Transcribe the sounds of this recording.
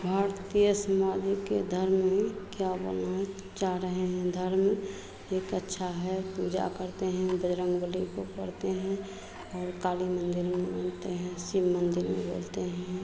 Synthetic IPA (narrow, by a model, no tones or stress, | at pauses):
bʱaːɾt̪ijəsəmaːd̪ʱiked̪ʱəɾmĩkjabo̰la | t͡ʃaɾəɦeɦɛ̃d̪ʱəɾme | eːkətːʃʰaɦɛpuːd͡ʒa̰kəɾt̪eɦɛ̃bəd͡ʒɾə̃ŋɡbəlikopəɽt̪eɦɛ̃ | ɔːɾkaːlimə̃nd̪ɪɾmẽbənt̪eɦɛ̃sibmənd̪ɪɾmḛ̃boːlt̪eɦɛ̃